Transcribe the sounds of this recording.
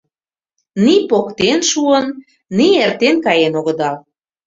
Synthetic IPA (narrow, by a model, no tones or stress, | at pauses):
nipokt̪enʃuənː | iert̪enkɑjenoɣə̆d̪ɑl